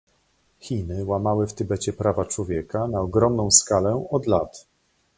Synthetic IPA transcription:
xʲinɘwamawɘft̪ɘbɛt͡ɕɛpɾavat͡ʂwɔvʲjɛkanaɔɡɾɔmnɔ̃w̃skalɛɔd̪lat̪

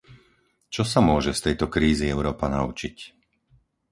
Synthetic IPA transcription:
t͡ʃɔsamʊɔʒɛst̪ɛjt̪ɔkɾiːziɛʊɾɔːpana̰ṵt͡ʃic

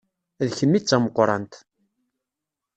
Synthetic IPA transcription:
ðçəmːit͡sːæməqːɾˤɑ̰nt̪

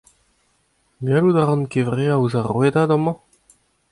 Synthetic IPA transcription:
ɡalud̪aʁɔ̃nkevʁeauzaʁwed̪ad̪ɔ̃mɑ̃

